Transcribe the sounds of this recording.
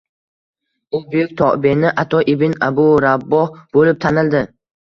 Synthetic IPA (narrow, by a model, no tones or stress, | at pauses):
ʊbʊjʊk̚ʲt̪ʰɒʔbenɪʔat̪ʰɒʔɪbɪnabʊɾabːɒhb̥olɪp̚t̪ʰanɪld̪ɪ